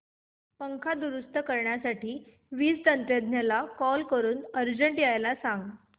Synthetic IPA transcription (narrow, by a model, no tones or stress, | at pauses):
pəŋkʰad̪uɾust̪əkəɾɳjasaʈiː | ʋiːt͡sd̪ənt̪ɾjed̪ʱnjalakɔlkəɾuːnəɾd͡ʑəɳʈjajlasãŋɡ